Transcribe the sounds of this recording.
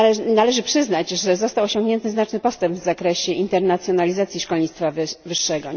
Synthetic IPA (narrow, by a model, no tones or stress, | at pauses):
ɛnalɛʐɘpʂɘznad͡ʑʐɛzɔst̪awɔɕɔŋɡɲɛnt̪ɘznat͡ʂnɘpɔst̪ɛmpbvzakɾɛɕɛʔint̪ɛɾnat̪sʲjɔnalʲizat̪sʲjiʂkɔlɲit̪t̪favvɘʂːɛɡɔ